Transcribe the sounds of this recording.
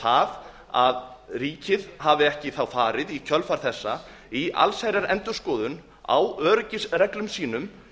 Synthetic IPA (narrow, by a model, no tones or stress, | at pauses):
að | aðriːcɪðhavɪɛhcɪθawfaːɾɪðicʰœlfaɾ̥θɛsːa | iʔa̰lsajɾaɾɛ̰nt̪ʏskɔːðʏn | a̰wœːɾʏcɪsrɛklʏmsiːnʏm